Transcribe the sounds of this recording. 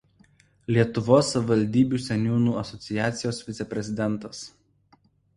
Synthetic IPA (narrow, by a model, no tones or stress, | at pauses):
lʲiɛt̪ʊʋoːsːɐʋʲɪʋɐlʲd̪ʲiːbʲuːsʲɛnʲuːnuːɐsɔt̪sʲɪjæːt̪sʲɪjoːsʋʲɪt̪sʲɛpʲɾʲɛzʲɪd̪ʲɛnˑt̪ɐs